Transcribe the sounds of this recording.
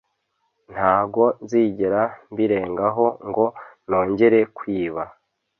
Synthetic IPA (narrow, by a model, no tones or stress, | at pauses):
n̥haːɡo̞nziːɟeɾambiɾe̞ːŋɡaɦo̞ŋɡo̞no̞ːɲɟe̞ɾe̞kwiːβa